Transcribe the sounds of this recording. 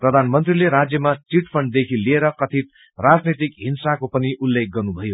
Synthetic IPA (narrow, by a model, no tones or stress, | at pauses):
prʌd̪ʱanmʌnt̪rileɾad͡zjʌmat͡siʈpʰʌɳɖd̪ekʰilieɾʌkʌt̪ʰit̪̚ | rad͡znet̪ikɦinsakopʌniʔulːek̚ɡʌrnubʱʌjo